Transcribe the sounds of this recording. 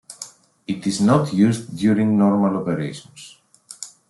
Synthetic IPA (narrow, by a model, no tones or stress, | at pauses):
it̪iznɔtʰjuzðjuɾĩŋnɔɹmalopeɾeɪʃɔ̃ns